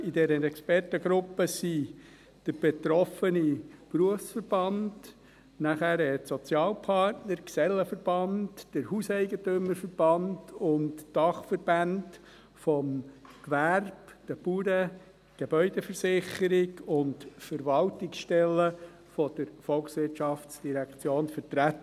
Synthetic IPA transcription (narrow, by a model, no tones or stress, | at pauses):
idɛːɾənɛkspɛrtəɡɾʊpːəsi | d̥əɾb̥etɾɔfənipruəfsfəɾb̥ɑnd | næχæɾɛtsɔt͡sjɑːlpʰɑrtnəɾksɛlːəfəɾb̥ɑntd̥əɾhusɛɪɡətʏməɾfəɾb̥ɑndʊntd̥ɑχfəɾbænd | fɔmkʋærb̥d̥əbuɾə | ɡ̥ebœʏdɛfəɾsɪχəɾɪɡʊntfəɾʋɑltɪksʃtɛlːə | fɔd̥əɾfɔlksʋɪrtʃɑft͡sd̥iɾɛkt͡sjoːnfəɾtɾæt̪ːə